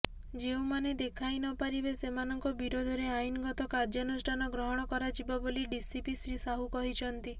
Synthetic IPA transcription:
d͡ʒeũmaned̪ekʰajnɔpaɾibesemanɔŋkɔbiɾod̪ʱɔɾeajnɔɡɔt̪ɔkaɾd͡ʒɔnusʈʰanɔɡɾɔɦɔɽ̃ɔkɔɾad͡ʒibɔboliɖisipisɾisaɦukɔɦit͡ʃʰɔnt̪i

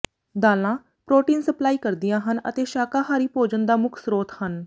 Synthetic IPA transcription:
d̪aːlãː | pɾoːʈiːnsəplaːiːkəɾd̪ɪjãːɦənə̰t̪eːʃaːkaːɦaːɾiːpoːd͡ʒənd̪aːmʊkʰsɾoːt̪hən

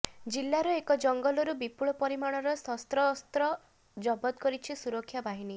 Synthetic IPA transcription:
d͡ʒilːaɾɔekɔd͡ʒɔŋɡɔlɔɾubipuɭɔpɔɾimaɽ̃ɔɾɔsɔst̪ɾɔːst̪ɾɔ | d͡ʒɔbɔt̪kɔɾit͡ʃʰisuɾɔkʰjabaɦini

